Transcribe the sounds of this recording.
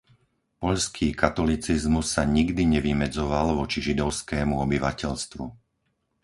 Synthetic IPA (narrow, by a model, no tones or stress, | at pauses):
pɔʎskʰiːkat̪ɔlit͡sizmusːaɲiɡd̪iɲɛʋimɛd͡zɔʋalʋɔt͡ʃiʒid̪ɔʊskɛːmuɔbiʋacɛʎst̪ʋṵ